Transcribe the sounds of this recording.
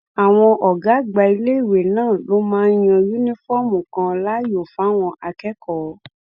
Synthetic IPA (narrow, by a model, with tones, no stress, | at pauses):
a˨w̃ɔ̃˧ʔɔ˨ɡa˨˦ɡ͡ba˧i˧le˦i˦˨we˨nãː˦˨lo˨˦mãː˦j̃ɔ̃˧ju˦nĩ˦fɔ˦˨mũ˨kã˧la˦jo˨fa˨˦w̃ɔ̃˧ʔa˧kɛ˦kɔ˨˦